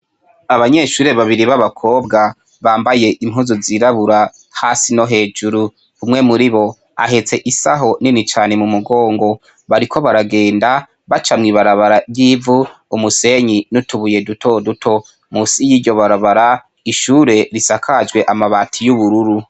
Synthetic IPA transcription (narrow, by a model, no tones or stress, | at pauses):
aβaɲe̞ʃuːɾe̞βaβiɾiβaβakʰo̞ːbɡa | βaːmbaje̞ʔimhuzuziɾaβuɾa | hasino̞ɦe̞ːd͡ʒuɾu | umŋe̞muɾiβo̞ | a̰ɦe̞t͡se̞ʔisaɦo̞ninit͡ʃaːne̞mumuɡo̞ːŋɡo̞ | βaɾikʰo̞βaɾaɡe̞ːnda | βat͡ʃamŋiːβaɾaβaɾaɾjiːvuumuse̞ɲinutuβuje̞dutʰo̞dutʰo̞ | musijiːɾɟo̞βaɾaβaɾa | iʃuɾe̞ɾisakʰad͡ʒɡwe̞ʔamaβatʰijuβuɾuɾu